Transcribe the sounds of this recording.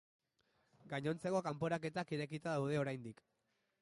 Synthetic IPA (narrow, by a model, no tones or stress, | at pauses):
ɡaɲo̞nt͡se̞ko̞kampo̞ɾake̞t̪akiɾekit̪aðawð̞e̞o̞ɾajnd̪ik